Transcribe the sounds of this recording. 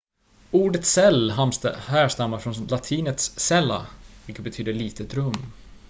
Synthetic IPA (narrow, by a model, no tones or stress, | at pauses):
uːɖət̪sɛlːɦamst̪hæːʂt̪amːaɾfɾɔnlat̪ʰiːnət̪ssɛlːa̰vɪlkət̪̚bɛt̪ʰyːd̪əɭiːt̪ət̪ɾɵmː